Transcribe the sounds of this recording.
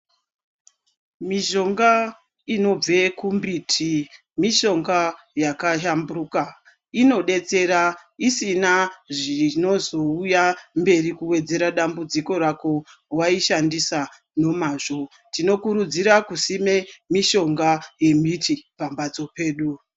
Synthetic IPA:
miʒo̞ŋɡa | ino̞b͡vekumbitʰi | miʃo̞ŋɡa | jakaʃamburuka | ino̞ɗe̞t͡se̞ɾaisinaʐino̞zo̞ujambe̞rikuwe̞d͡ze̞ɾaɗambud͡ziko̞ɾako̞waiʃandisa | no̞maːʐo̞ | tino̞kuɾud͡ziɾakusime̞miʃo̞ŋɡaje̞mitʰipambad͡zo̞pe̞ːɗu

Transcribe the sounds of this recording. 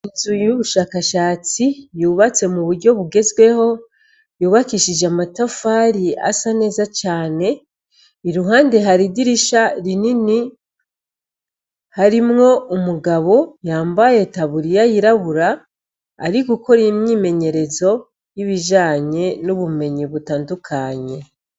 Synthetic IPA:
inzujuβuʃaːkaʃaːt͡sijuːβat͡se̞muβuɾɟo̞βuɡe̞zɡwe̞ho̞ | juːβakiʃid͡ʒeamatofaɾia̰sane̞ːzat͡ʃaːne̞ | iɾuɦaːnde̞ɦaɾidiɾiʃaɾinini | haɾimŋo̞umuɡaβo̞jaːmbaje̞taβuɾijajiɾaβuɾa̰ː | ɾiɡuko̞ɾimɲiːme̞ɲe̞ɾe̞zo̞ | jiβiʒaːɲe̞nuβume̞ɲiβutaːndukʰaɲe̞

